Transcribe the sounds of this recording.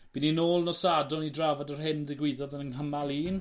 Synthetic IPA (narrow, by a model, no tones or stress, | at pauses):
b̥iːninoːlˠnɔsadɔnidravadərɦɪnðɪɡwɪðɔðənənɦəmalˠiːn